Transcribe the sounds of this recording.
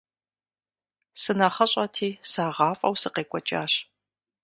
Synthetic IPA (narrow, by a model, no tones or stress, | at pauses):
sɨnaχɐɕʼɐtʰiːsaːʁɑːfʼɐ̰wsɨqeːkʷʼɔt͡ʃʼa̰ːɕ